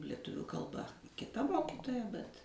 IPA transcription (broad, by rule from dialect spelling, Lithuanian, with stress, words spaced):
lʲiɛˈtʊʋʲʊ kɐlˠˈbɐ kʲɪˈtɐ ˈmoːkʲɪtoːjɛ bʲɛt